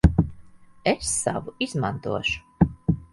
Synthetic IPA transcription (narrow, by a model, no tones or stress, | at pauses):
esːa̰vuizmant̪uɔʃu̥